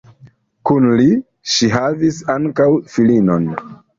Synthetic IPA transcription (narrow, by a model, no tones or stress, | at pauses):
kunli | ʃiɦavisaŋkawfilino̞n